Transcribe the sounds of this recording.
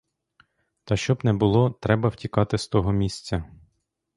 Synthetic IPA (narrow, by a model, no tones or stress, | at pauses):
t̪ɐʃt͡ʃɔbnɛbʊlˠɔt̪ɾɛbɐw̥tʲikɑt̪ɪst̪ɔɦɔmʲisʲt͡sʲɐ